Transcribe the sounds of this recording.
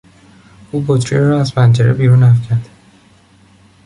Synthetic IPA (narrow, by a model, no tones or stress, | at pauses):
ʔuːbot̪ʰɾieɾɒæzpʰænd͡ʒeɾebiːɾuːnæfcʰæɾd̪̥